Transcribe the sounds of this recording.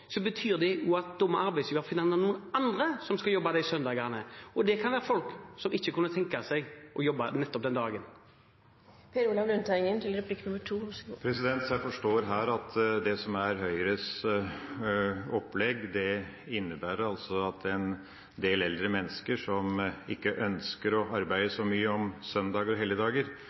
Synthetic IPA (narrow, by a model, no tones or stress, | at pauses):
sɔbət̪ʰyːɾd̪ɛjʊɑt̪̚d̪ɔmːəʔɑɾbæɪsliːʋəɾfɪnːɑnːɑnuːənɑnd̪ɾəsɔmskɑjɔbːɑd̪æɪsœnd̪ɑːɡɑnəɔd̪ɛkʰɑnʋæːɾəfɔlksɔmɪçːəkʰʊnːət̪ʰɛŋkɑsɛɪɡʔɔjɔbːɑnɛt̪ːɔp̚d̪ɛnd̪ɑːɡən | pʰeːɾuːlɑʋlʉnt̪ʰæɪŋənt̪ʰɪlɾɛpʰlɪkːnʊmːəʈʰuːpʰɾɛsɪd̪ɛnt̪sæfɔʂʈoːɾɦæːɾɑt̪ʰd̪ɛsɔmæɾɦœʏəɾəs | ɔpːlɛɡd̪ɛɪnːəbæːɾɑlsɔɑt̪ɛn | d̪eːlɛld̪ɾəmɛnːəskəʂɔmɪkːəʔœnskəɾɔɑɾbæɪd̪əsɔmyːəɔmsœnd̪ɑːɡəɾɦɛljəd̪ɑːɡəɾ